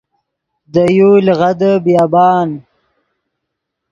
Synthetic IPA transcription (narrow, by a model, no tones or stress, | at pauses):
d̪əjulɣad̪əbijɑːbɑːn